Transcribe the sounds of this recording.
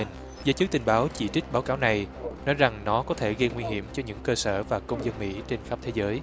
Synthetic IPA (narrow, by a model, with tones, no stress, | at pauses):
zəː˨˦jt͡ɕɨ˦˥k̚t̪i˨˩ŋ̟ɓaː˨˦wt͡ɕḭ˧˩t͡ɕï˦˥k̟̚ɓaː˨˦wkaː˨˦wna˨˩jnɔ˨˦jza˨˩ŋnɔ˨˦kɔ˨˦t̪ʰe˧˩ɣə˧ŋwi˧hḭ˧˩əmt͡ɕɔ˧ɲɨ̰˧˥ŋkəː˧səː˧˩vaː˨˩kə˧wŋ͡mzə˧nmḭ˧˥t͡ɕe˧nxa˦˥p̚t̪ʰe˨˦zəː˨˦j